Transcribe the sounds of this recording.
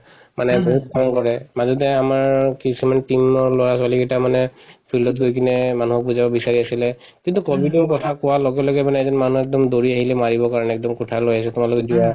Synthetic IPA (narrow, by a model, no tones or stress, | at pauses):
manɛbuɦut̚pʰɔnkɔɹɛmazɔtɛamaɹkisumanɛtimɔɹloɹaswalikɛtamanɛpʰildɔt̚ɡojkʰinɛmanuɦɔk̚puzabɔbisaɹiasilɛ | kint̪ukɔbidimkɔtʰakʊwalɔɡɛlɔɡɛmanɛzɔnmanuɛk̚dɔmd̪oɹiaɦilɛmaɹibɔkaɹɔnɛɛk̚dɔmkɔtʰalojasɛtumalʊkɛdia